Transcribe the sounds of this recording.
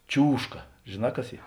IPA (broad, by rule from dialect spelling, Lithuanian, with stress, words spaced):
ˈt͡ʃʲuːʃkɐ ʒʲeːˈnɑː ˈkɐs ˈiː